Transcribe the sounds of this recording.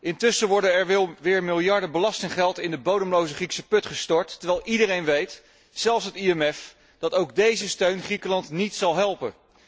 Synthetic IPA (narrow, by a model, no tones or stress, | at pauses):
ʔɪntʏsəʋɔɹdənɛɹʋɪlˠʋɪːɹmɪlˠjɑɹdəbəlɑstɪŋχɛlˠtɪndəbowdəmlowzəχriksəpɵtχəstɔɹtːəɹʋɛːlˠidəɾejnʋejt | sɛlˠsɦətiɛmɛf | d̥ɑtowɡ̚dejzəstøɥnχrikəlɑntnitsɑlˠɦɛlˠpən